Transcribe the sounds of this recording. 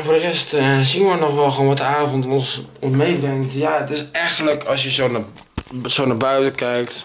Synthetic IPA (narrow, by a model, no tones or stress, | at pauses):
foːdərɛstəsinʋənɔxʋɛlˠxoːnʋɔtəaːvɔntɔnsɔnsmejbrɛŋtjaətɪsɛxələkʰɔsjəson | soːnabœɥtəkɛjk̚t